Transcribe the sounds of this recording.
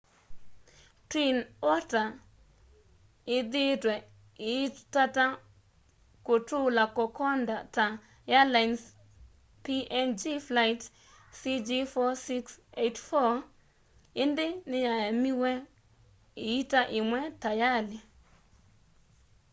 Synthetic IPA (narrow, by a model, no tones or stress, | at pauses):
tinɔta | ɪd̪ɪtwɛ | ɪtata | kotulakɔkɔndata | jalajns | piʔɛnd͡ʒiflajt | sid͡ʒifɔsiksetfɔ | ɪndɪnɪjajamiwɛ | ɪitaʔɪmwɛtajalɪ